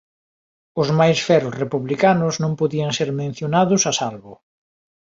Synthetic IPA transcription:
ʊzmajsfɛɾʊsrepuβlikanʊznõmpoðiaŋseɾmẽn̟θjonaðʊsasalβʊ

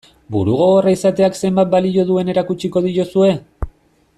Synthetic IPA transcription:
buɾuɣ̞o̞ɣoraisat̪e̞akse̞mbat̪̚balio̞ðue̞ne̞ɾakut͡ʃiko̞ð̞iɾosue̞

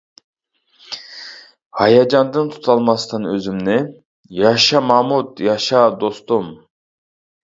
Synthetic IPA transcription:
hɑjɑd͡ʒɑnd̪ɯnt̪ʰu̥t̪ʰɑlˠmɑst̪ʰɨnøzymnɪ | jɑʃɑmɑmut̪jɑʃɑd̪ost̪um

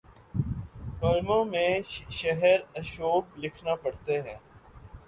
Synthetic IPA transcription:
pəlmõmẽʃʃɛɦəɾɐʃoːblɪkʰnapɐɽt̪eɦɛ̃ː

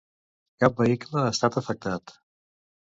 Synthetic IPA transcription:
kap̚bəikləːst̪at̪əfək̚t̪at̪

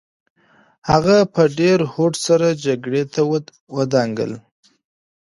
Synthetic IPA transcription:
haɣapəɖeɾhoʈsaɾad͡ʒaɡɽet̪ʰaw | wəd̪ɑŋɡə̰l

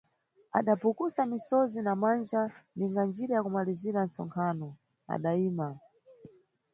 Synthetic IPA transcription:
a̰ɗapukusamisɔzinamand͡ʒaniŋɡand͡ʒiɾajakumaliziɾansɔ̰ŋkʰaːnɔ | a̰ɗaiːma

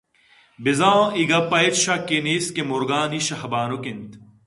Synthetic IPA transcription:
bizãːiɡɐpɐjt̪ɕɐkiniːskemuɾɡaːniɕɐhbaːnukint̪

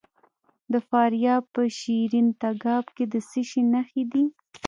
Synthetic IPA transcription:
d̪əfɑɾjɑpəʃiɾint̪aɡɑbked̪əsɪʃenaxed̪i

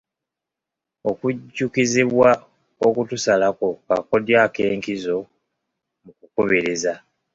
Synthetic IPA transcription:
o̞kuɟukiziβwa | okutusalako̞ka̰ko̞djake̞ːŋkizo̞ | mukukuβiɾiza

